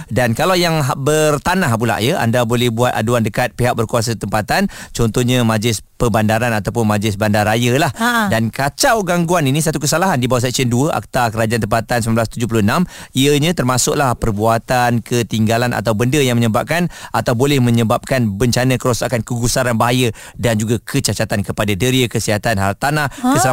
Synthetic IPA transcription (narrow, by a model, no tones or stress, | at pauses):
dankalawjaŋɦbərt̪anaɦpula̰ʔjəʔa̰ndabolɛhbuat̪a̰duandəkat̪̚piɦak̚bərkuas̬at̪əmpat̪ant͡ʃɔnt̪ɔhɲamãd͡ʒlɪspəbandaɾanat̪awp̬ʊnmad͡ʒlɪs̬bandarɾajalahdankat͡ʃawɡaŋɡuaninisat̪ukəsalaɦandibawaʔs̬ɛk̚siənduəʔa̰k̚t̪akəɾad͡ʒant̪əmpat̪ansəmanblast̪ud͡ʒʊhp̬ulʊənamiəɲãt̪ərmasʊʔlahpərbuat̪ankət̪iŋɡalana̰t̪awbəndəjaŋməɲəbap̚kanʔat̪awbolɛhmə̃ɲəbap̚kanbəɲt͡ʃanə̃kəɾosakankəɡusaɾanbaɦaja | dand͡ʒuɡakʰət͡ʃat͡ʃat̪ankəpadadəɾiəkəsiɦat̪anɦaat̪ːanahkəsəla